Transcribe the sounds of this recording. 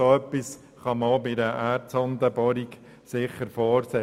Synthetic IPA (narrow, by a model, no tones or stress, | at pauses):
soœpːis | χɑməobiɾəʔæːɾtsɔnd̪əbɔɾik | sɪχəɾfɔːɾsɛ